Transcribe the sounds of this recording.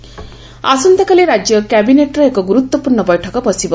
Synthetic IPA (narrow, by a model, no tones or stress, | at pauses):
asʌnd̪ʌkaleɾad͡zjʌkjabineʈrʌekoɡuɾut̪wʌpurnʌbʌjʈʰʌkʌpʌsibʌ